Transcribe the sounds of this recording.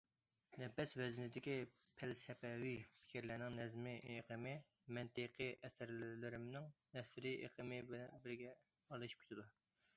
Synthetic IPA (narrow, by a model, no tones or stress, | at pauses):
nɛpɛsvɛzɪnɪd̪ɪkʲi | pʰælsɛpɛwipʰɪ̥kʲiɾlæɾnɪŋnɛzmɪeqʰəmɪ | mɛnt̪ɨqʰəʔɛsɪɾlɪɾɪmnɪŋnɛsɪɾiʔḛqʰəmɪbɛnbɪɾɡʲɛ | ɑlˠɨʃi̥p̚ʲʰt̪ʰɪd̪u